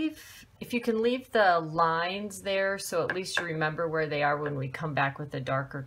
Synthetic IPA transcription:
v̥ | ɨfjɨkʰɨ̃nlivðəlãɪ̃nzðə˞soʊəʔˡlistɨɹɨmɛ̃mbə˞wə˞ðeɪə˞wə̃nwikʰʌ̃mbækwɨðɨdɑɹkə˞

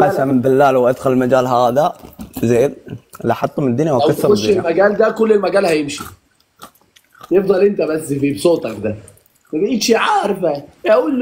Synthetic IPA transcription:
ʔasambɪlːaːlawʔad̪xʊllmad͡ʒaːlɦaːðazeːd̪liʔħɑt̪ˤːomnɪd̪ːʊnjawwkaːɾoʃelmæɡæːld̪ækolːelmæɡæːlhæjemʃi | jefd̪ˤɑlʔent̪æbæsːfibsˤoːt̪ˤɑkd̪æ | mæbæʔiːt̪ʃiʕɑːɾˤfææʔuːlː

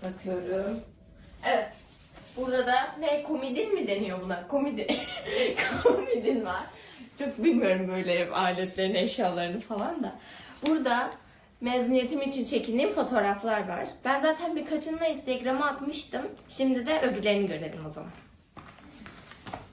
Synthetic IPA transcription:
bakʰɯjo̞ɾum | evɛt̪ | b̥uɾd̪ad̪anekʰo̞mid̪inmid̪e̞nijo̞bunakʰo̞mid̪ikʰomid̪invaɾ̥t͡ʃʰo̞k̚bilʲmijo̞ɾumbøjlʲɛaːilʲɛt̪lʲe̞ɾinɛʃjaːlˠaɾɯnɯfalˠand̪abuɾd̪a | mezunije̞t̪ʰimit͡ʃʰint͡ʃʰe̞cʰind̪iːmfo̞t̪ʰo̞ːɾaflˠaɾva̰ɾ̥b̥ænzaːt̪ʰænbiɾkʰat͡ʃʰɯnlˠaist̪ʰɛɟɾamaat̪mɯʃt̪ɯmʃimd̪id̪ɛʔø̞vyɾlʲe̞ɾiniɟø̞ɾed̪imo̞za̰man

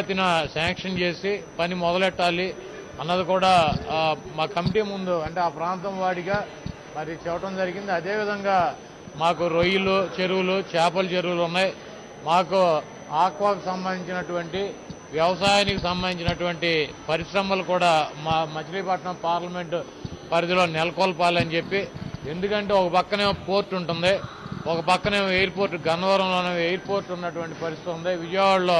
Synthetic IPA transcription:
t̪inɐsaːŋkʂɐnt͡ʃe̞ːsipɐnimɔd̪ɐlɛʈːaːli | ɐnːɐd̪ikuːɽaː | maːkɐmiʈiːmund̪uɐɳʈe̞ːaːpɾaːnt̪ɐmʋaːɽiɡaː | mɐɾit͡ʃɛʋɐʈɐmd͡ʒɐɾiɡind̪iɐd̪e̞ːʋid̪ʱɐŋɡaː | maːkuɾojulut͡ʃeɾuwulut͡ʃaːpɐlt͡ʃeɾuwulunːaj | maːku | aːkʋaːkusɐmbɐnd̪iɲt͡ʃinɐʈuʋɐɳʈi | ʋjɐʋɐsaːjaːnikusɐmbɐnd̪iɲt͡ʃinɐʈuʋɐɳʈipɐɾiʃɾɐmɐlukuːɽaːmmɐt͡ʃɐɾiːpɐʈɐnɐmpaːɾlɐme̞ɳʈu | pɐɾid̪ilo̞ːnɛlɐkɔːlɐpaːlɐnit͡ʃe̞pːie̞nd̪ukɐɳʈe̞ːɔkɐpɐkːɐneːmɐpo̞ːɾʈːuɳʈund̪i | ɔkɐpɐkːɐneːmɐejɐɾpoːɾʈɡɐnɐʋɐɾɐmlo̞ːneːejɐɾpo̞ːɾʈunːɐʈuʋɐɳʈipɐɾist̪it̪und̪iʋid͡ʒɐʋaːɭlo̞ː

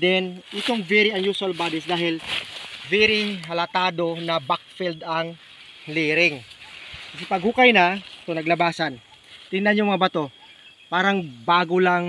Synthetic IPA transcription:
d̪ɛnʔɪt̪oŋvɛɾiɐnjusɐlbad̪ɪsd̪aːɦɪlvɛɾiɦɐlɐt̪aːd̪o̞nɐbak̚fild̪ɐŋ | liːɾɪŋ | kɐs̬ɪpɐɡ̚hʊkajnɐt̪onɐɡlɐbaːsɐn | t̪ɪnanjomɐŋabɐt̪o̞ | paːɾɐŋbaːɡolaŋ

